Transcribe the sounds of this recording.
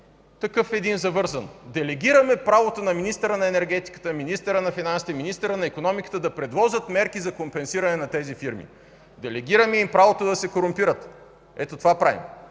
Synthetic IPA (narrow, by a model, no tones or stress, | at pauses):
t̪ɐkɤfɛd̪inzɐvɤɾzɐnd̪ɛlɛɡiɾɐmɛpɾavot̪onɐminist̪əɾənɐɛnɛɾɡɛt̪i̥kə̥t̪əminist̪əɾənɐfinansi̥t̪ɛminist̪əɾənɐikonɔmikə̥t̪əd̪ɐpɾɛd̪vɔzət̪mɛɾkizɐkompɛnsiɾɐnɛnɐt̪ɛzifiɾmḭ | d̪ɛlɛɡiɾɐmɛimpɾavot̪od̪ɐsɛkoɾʊmpiɾət̪ | ɛt̪ot̪ovapɾavḭm